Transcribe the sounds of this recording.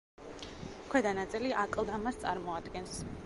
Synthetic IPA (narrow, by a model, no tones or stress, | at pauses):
kʰwɛd̪anat̪sʼiliʔakʼlˠd̪amast̪sʼaɾmɔad̪ɡɛns